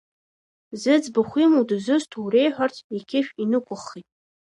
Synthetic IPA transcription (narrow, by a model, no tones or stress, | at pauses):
zɨd͡zbaχʷimudɨzɨstʰuwrejħʷᶣartʰikʲʰɪʃʲᶣinɨkʷʰʼʊχːitʼ